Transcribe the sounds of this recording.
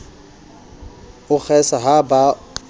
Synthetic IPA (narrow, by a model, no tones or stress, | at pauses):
ʊk͡xʰɛsaɦaba